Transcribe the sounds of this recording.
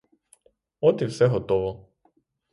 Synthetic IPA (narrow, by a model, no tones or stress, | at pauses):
ɔt̪iwsɛɦɔt̪ɔʋɔ